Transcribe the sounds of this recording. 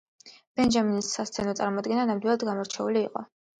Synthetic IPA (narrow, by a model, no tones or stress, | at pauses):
b̥ɛnd͡ʒaminisːast̪sʰɛnɔt̪sʼaɾmɔd̪ɡɛnanamd̪wilˠad̪ɡamɔɾt͡ʃʰɛuliːqʼɔ̰